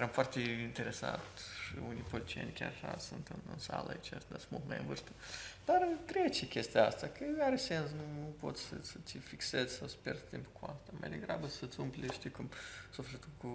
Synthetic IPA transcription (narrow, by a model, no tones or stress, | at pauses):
eɾamfoart̪eint̪e̞ɾe̞sa̰t̪ʃḭunijpolit̪t͡ʃijenʲkʲa̰raʃa̰sunt̪ɨnɨ̰nsa̰lə̰a̰it͡ʃast̪d̪asmulˠt̪ma̰jɨnvɨrst̪əd̪̥arɨt̪ɾet͡ʃekʲest̪ijaa̰st̪akʰəaɾese̞nsnunupo̞̰t̪sʲsəsəifikse̞zʲsawsə̥pʲjerd̪t̪impukua̰st̪ama̰jd̪e̞ɡɾa̰bəsət̪sʲumplʲeʃt̪ikumsuflʲet̪ulku